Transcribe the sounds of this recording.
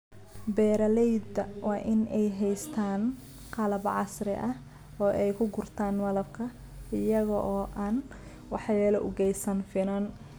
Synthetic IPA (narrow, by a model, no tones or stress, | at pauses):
bɛːɾɐlɛjd̪ɐwɑːʔɪnɛjɦɛjst̪ʰaːn | qɑlɐbʕɑsrɪ̰ʔɐh | ɔːʔɛjkʰʊɡʊrt̪ʰaːnwɐlɐbkʰɐ | ɪjɐɣɔʔɔːʔaːn | wɑħjɛːlɔʔʊɡɛjsɐnfɪnɐn